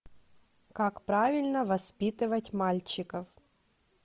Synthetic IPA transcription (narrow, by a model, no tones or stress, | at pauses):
kakpɾavʲɪlʲnɐʋɐspʲit̪ɨʋɐtʲmalʲt͡ɕːɪkɐf